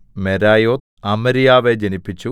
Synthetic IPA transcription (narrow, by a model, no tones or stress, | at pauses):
meɾaːjoːt̪ | ɐmɐɾijaːʋed͡ʑenipːit͡ɕːu